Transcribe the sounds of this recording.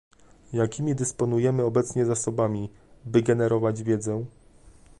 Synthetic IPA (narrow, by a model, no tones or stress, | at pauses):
jakʲimʲid̪ɘspɔnujɛmɘɔbɛt̪sɲɛzasɔbamʲi | bɘɡɛnɛɾɔvad͡ʑvʲjɛd̪zɛ